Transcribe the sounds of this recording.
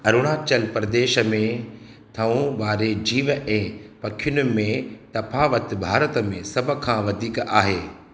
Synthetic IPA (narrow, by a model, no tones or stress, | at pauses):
ɐɾʊɽ̃aːt͡ɕəlpɾɐd̪eːʃə̆mẽ | t̪ʰɐũʋaːɾed͡ʑiːʋɛ̃ːpɐkʰɪjʊnʊ̆mẽt̪ɐfaːʋət̪bʱaːɾət̪ə̆mẽsɐb̆ʱkʰãːʋɐd̪ʱiːkaːɦeː